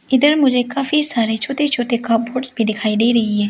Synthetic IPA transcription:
ɪd̪əɾmʊd͡ʒʱekaːfisaːɾet͡ʃʰoːt̪et͡ʃʰoːt̪ekaːp̚boːʈsbʱiɖ̪ɪkʰaːid̪eːɾɐɦiɦɛː

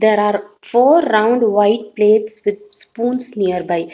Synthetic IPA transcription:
d̪eːɾaːɾfoːɾːãʊ̃ɳɖʋaɪʈ̚pleːʈsʋɪd̪̚spũːnsniəɾbaɪ

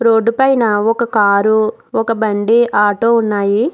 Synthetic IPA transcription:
ɾoːɖːupɐjnɐɔkɐkaːɾu | ɔkɐbɐɳɖiʔaːʈoːunːaːji

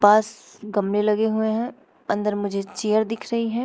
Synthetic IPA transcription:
paːs | ɡɐmɽelɐɡeɦueɦɛ̃ | ɐ̃nd̪əɾmʊd͡ʒʱet͡ʃejəɾd̪ɪkʰɾɐɦiɦɛ̃ː

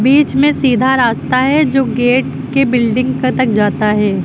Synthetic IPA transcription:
biːt͡ʃmẽsiːd̪ʱaɾaːst̪aɦɛd͡ʒoːɡeːʈ | kebɪlɖɪ̃ŋɡkt̪ɐk̚d͡ʒaːt̪aɦɛː

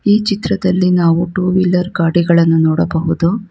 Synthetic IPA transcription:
iːt͡ʃit̪ɾɐd̪ɐlːinaːʋuʈuːʋilːɐɾɡaːɽiɡɐɭɐnːunɔːɽɐbɐɦud̪u

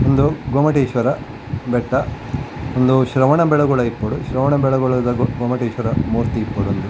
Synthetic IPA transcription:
ond̪uɡoːmɐʈeːʃʋɐɾɐ | bɛʈːɐ | ond̪uʃɾɐʋɐɳɐbɛɭɐɡɔɭɐipːɐɽuʃɾɐʋɐɳɐbɛɭɐɡɔɭɐd̪ɐɡɡoːmɐʈeːʃʋɐɾɐmuːɾt̪iːpːɐɽuɐnd̪u

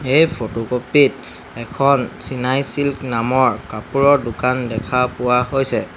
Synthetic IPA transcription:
ejpʰotokopit̚ | ɛkʰɔnsinajsilknamɔɹkapuɹɔɹdʊkandɛkʰapʊwaɦojsɛ

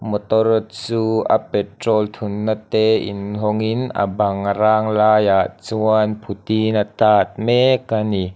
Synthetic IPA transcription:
mɔt̪ɔɾɔt̪̚t͡suːa̰pɛtrɔlt̪ʰunːat̪ɛːḭnɦɔŋina̰bɐŋɾaːŋlaːjaʔt͡suanpʰut̪inat̪aːt̪̚mekani

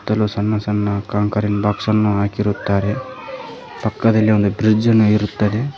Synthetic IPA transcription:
t̪ːɐlusɐnːɐsɐnːɐkaːŋkɐɾinbaːksɐnːuɦaːkiɾut̪ːaːɾe | pɐkːɐd̪ɐlːiond̪ubɾid͡ʒɐnuiɾut̪ːɐd̪e̞

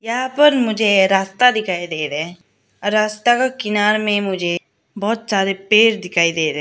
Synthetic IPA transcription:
jɐɦãpəɾmʊd͡ʒʱeɾaːst̪ad̪ɪkʰaːid̪eːɾɛ | ɔɾːaːst̪akakɪnaːɾmẽmʊd͡ʒʱe | bɔːt̪saːɾepeːɾd̪ɪkʰaːid̪eːɾe

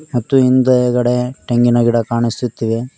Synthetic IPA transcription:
mɐt̪ːuind̪ɐɡɐɽeʈeŋɡinɐɡiɽɐkaːɳisut̪ːiʋe

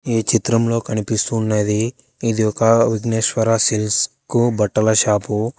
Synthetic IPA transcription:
iːt͡ʃit̪ɾɐmlo̞ːkɐnipist̪uːnːɐd̪iː | d̪iɔkɐʋiɡneːʃʋɐɾaːsils | kubɐʈːɐlɐʃaːpu

